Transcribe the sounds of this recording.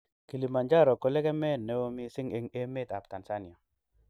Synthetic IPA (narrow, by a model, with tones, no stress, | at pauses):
ki˨li˨ma˨nd͡ʒa˦ɾɔ˨ko˨lɛ˦kɛ˦mɛ˦ne˦wo˦mi˦sɪ˦ŋe˦ŋe˦me˦˨ta˨pta˨nsa˦nja˨